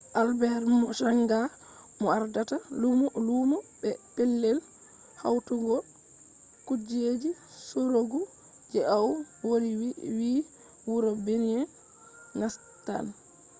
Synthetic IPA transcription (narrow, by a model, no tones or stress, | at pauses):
ʔalbɛɾmɔʃaŋɡa | mɔaɾdatalumɔlumɔbɛpɛlːɛl | ha̰wtuŋɡɔ | kud͡ʒied͡ʒi | soɾoɡu | d͡ʒɛʔawwoniwi | wuɾɔbeniɛ | nas | ta̰n